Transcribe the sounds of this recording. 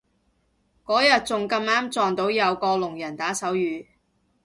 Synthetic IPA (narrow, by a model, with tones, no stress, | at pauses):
kɔː˨˥jɐ˨t̚t͡sʊ˨ŋkɐ˧maː˨˥mt͡sɔː˨ŋt̪o˨˥wjɐ˨˧wkɔː˧lʊ˨˩ŋjɐ˨˩nt̪aː˨˥sɐ˨˥wjyː˨˧